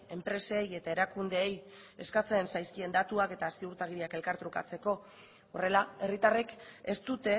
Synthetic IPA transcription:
e̞mpɾe̞seːje̞t̪aeɾakund̪e̞ːj | e̞skat͡se̞ːnsajskie̞nd̪at̪uake̞t̪aːst̪iuɾt̪aɣ̞iɾiake̞lkaɾt̪ɾuka̰t͡se̞ko̞ | ore̞lae̞rit̪areke̞st̪ut̪e̞

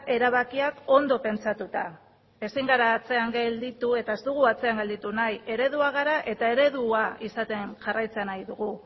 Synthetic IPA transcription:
e̞ɾaβakiako̞nd̪o̞pe̞nt͡sat̪ut̪a | e̞siŋɡaɾaːt͡se̞aŋɡeld̪it̪ue̞t̪ae̞zt̪uɣ̞uat͡se̞aŋɡe̞ld̪it̪unaje̞ɾe̞ðuaɣ̞aɾaʔe̞t̪ae̞ɾe̞ðuaisat̪e̞nʝarajt͡seanajðuɣu

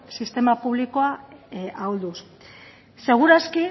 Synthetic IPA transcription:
sist̪e̞mapuβ̞liko̞aawld̪us | se̞ɣ̞uɾaski

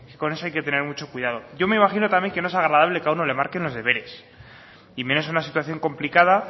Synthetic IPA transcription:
ke̥ko̞ne̞soajket̪e̞ne̞ɾmut͡ʃo̞kwiðað̞o̞ʝo̞me̞imaxino̞t̪amje̞ŋke̞no̞esaɣɾaðaβle̞kauno̞le̞maɾke̞nlo̞zðe̞βe̞ɾe̞s | imenosunasit̪waθjo̞ŋko̞mplikaða

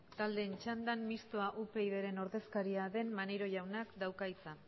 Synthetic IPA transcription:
t̪ald̪e̞nt͡ʃand̪anmist̪o̞aʔupe̞iðe̞ɾe̞no̞ɾðe̞skaɾiaðe̞nmanejɾo̞ʝawnakd̪awkajt͡sa

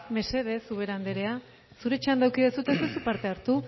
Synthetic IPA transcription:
me̞se̞ðe̞suβ̞e̞ɾand̪eɾe̞a | suɾe̞t͡ʃand̪awkiðesut̪e̞sesupaɾt̪e̞aɾt̪u

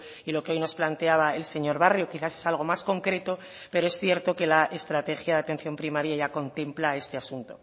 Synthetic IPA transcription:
ilo̞keo̞jno̞splant̪e̞aβ̞ae̞lse̞ɲo̞ɾβarjokiθase̞salɣ̞o̞masko̞ŋkɾe̞t̪o̞ | pe̞ɾo̞e̞sθje̞ɾt̪o̞ke̞laʔest̪ɾat̪e̞xjaðat̪e̞n̟θjo̞mpɾimaɾjaʝako̞nt̪e̞mplae̞st̪e̞asunt̪o̞

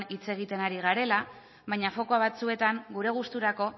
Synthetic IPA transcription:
nit͡se̞ɣ̞it̪e̞naɾiɣaɾe̞la | βajɲafo̞koaβ̞at͡sue̞t̪aŋɡuɾe̞ɣ̞ust̪uɾako̞

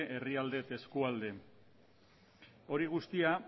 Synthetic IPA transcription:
ʔe̞riald̪e̞t̪e̞skuald̪e̞ | o̞ɾiɣ̞ust̪ia

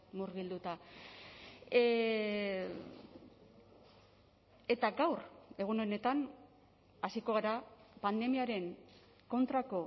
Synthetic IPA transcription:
muɾɣild̪ut̪a | e̞t̪aɡawre̞ɣ̞uno̞ne̞t̪an | asiko̞ɣ̞aɾapand̪e̞miaɾe̞ŋ | ko̞nt̪ɾako̞

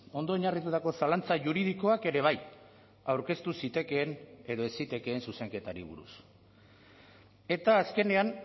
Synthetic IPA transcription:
o̞nd̪o̞eɲarit̪ut̪ako̞salant͡saʝuɾið̞iko̞ake̞ɾe̞β̞aj | awɾke̞st̪usit̪e̞ke̞ːne̞ðo̞e̞sit̪e̞ke̞ːnsuse̞ŋke̞t̪aɾḭβṵɾṵs | e̞t̪aːske̞ne̞an

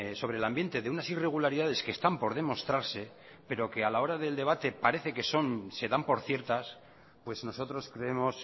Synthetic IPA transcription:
so̞βɾe̞lambje̞nt̪e̞ðeunasire̞ɣ̞ulaɾiðaðe̞skest̪ampo̞ɾðe̞mo̞st̪ɾaɾse̞ | pe̞ɾo̞ke̞alao̞ɾaðe̞ld̪e̞β̞at̪e̞paɾe̞θe̞ke̞so̞nse̞ðampo̞ɾθje̞ɾt̪as | pwe̞zno̞so̞t̪ɾo̞skɾe̞emo̞s

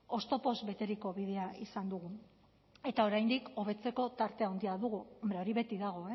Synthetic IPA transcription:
o̞st̪o̞po̞zβe̞t̪e̞ɾiko̞βið̞e̞aisand̪uɣu | e̞t̪ao̞ɾajnd̪iko̞β̞e̞t͡se̞ko̞t̪aɾt̪e̞awnd̪iaðuɣ̞uombɾe̞o̞ɾiβe̞t̪iðaɣ̞o̞e

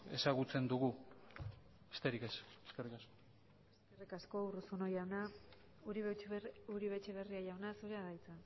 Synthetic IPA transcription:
e̞saɣut͡se̞nd̪uɣu | e̥st̪e̞ɾikeseskerikasko̥ | eske̞rikasko̞urusunojawna | uɾiuɾiβe̞t͡ʃe̞βe̞riajawnasuɾeaðajt͡sa

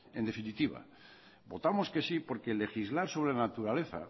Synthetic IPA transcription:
e̞nd̪e̞finit̪iβa̰ | bo̞t̪amo̞ske̞sipo̞ɾke̞le̞xizlaɾso̞β̞ɾenat̪uɾale̞θa̰

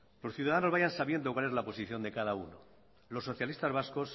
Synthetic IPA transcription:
lo̞sθjuðaðano̞zβaʝansaβje̞nd̪okwale̞zlapo̞siθjo̞nd̪e̞kaðauno | lo̞sːo̞θjalist̪azβasko̞s

